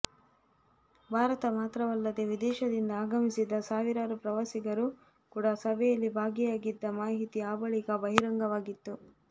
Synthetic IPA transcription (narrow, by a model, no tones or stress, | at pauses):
bʱaːɾɐt̪ɐmaːt̪ɾɐʋɐlːɐd̪e̞ʋid̪ɛːʃɐd̪ind̪ɐaːɡɐmisid̪ɐsaːʋiɾaːɾupɾɐʋasiɡɐɾu | kuːɽɐsɐbʱɛjɐlːibʱaːɡɛjaːɡid̪ːɐmaːɦit̪iaːbɐɭikɐbɐɦiɾɐŋɡɐʋaːɡit̪ːu